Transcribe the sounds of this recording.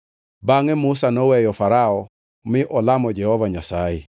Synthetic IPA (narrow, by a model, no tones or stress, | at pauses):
baŋɛmʊsanɔwɛjɔfaɾaɔ | mɪʔɔlamɔd͡ʒɛhɔvaɲasajɛ